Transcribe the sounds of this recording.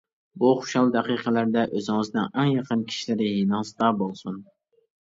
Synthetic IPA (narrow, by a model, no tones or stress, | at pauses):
buχo̥ʃɑlˠd̪ɛqijqʰəlæɾd̪ɛʔøzɪŋɨznɪŋæŋjɑqʰənkʲʰi̥ʃilɪɾɪɦinɑst̪ɑbolˠsun